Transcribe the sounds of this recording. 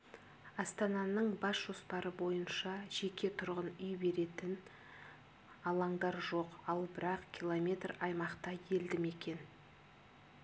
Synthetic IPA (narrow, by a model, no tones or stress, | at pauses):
ɑst̪ɑnɑnəɴbɑsʒ̥o̞spɑɾəbo̞jənʃɑʒ̥e̞kʲʰe̞t̪ʰʊɾʁənʏjbe̞ɾe̞t̪ɪn | ɑlˠɑɴd̪ɑɾʒo̞qɑlˠbɪɾɑqkʲʰilˠomʲe̞t̪rɑjmɑqt̪ɑje̞ld̪ɪme̞kʲe̞n